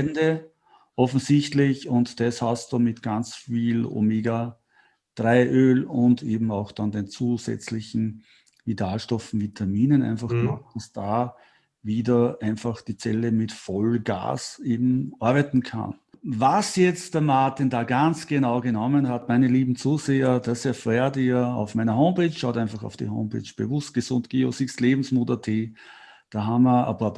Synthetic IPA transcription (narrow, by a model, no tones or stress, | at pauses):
ndə | ʔɔfn̩zɪçtlɪçʊntd̥ɛshastumɪtɡ̥ant͡sfiːlo̰meːɡa | d̥ʁaɪʔøːlʊndeːbm̩ɑʊxd̥andeːnt͡suːzɛ̰t͡slɪçn̩ | vidaːlʃtɔfn̩vitʰamiːnənæ̰ɪnfaχɡ̥ma̰kd̥asd̥aː | viːdəʔæ̃ɪnfaxd̥iːt͡sɛləmɪtfɔlɡ̥a̰ːseːbm̩ʔɔɐbɛɪtn̩kʰa̰nvasjɛt͡std̥ɛɐmaɐtɪndaːɡant͡sɡ̥enaʊɡenɔmənhatmæɪnəliːbm̩t͡suːzeːɐdasɛɐfʁɛtiɐɑ̰ʊfmæɪnɐɦõʊmpeːt͡ʃʃaʊtæɪnfaχɑ̰ʊfd̥ḭɦõ̰ʊmpʰḛːt͡ʃb̥ḛvʊst̚ɡ̥esʊntɡ̥eːo̰sɪkstleːbm̩smuːtɐtʰeː | d̥aːɦaməɐ̰paɐp